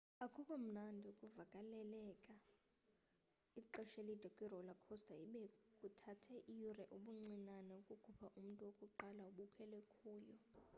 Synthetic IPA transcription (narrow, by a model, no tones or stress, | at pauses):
akʰukʼom̩nandʱiukʼuvakʼalɛlɛkʼa | iǃɔʃelid̥ʱakʼwirɔlakʰɔstʰʼaiɓɛkʼutʰatʰɛʔijurɛʔuɓuŋ͡ǀinanɛukʼukʰupʰaʔum̩tʼuwokʼuǃalauɓukʰɛlwɛkʰuːjɔ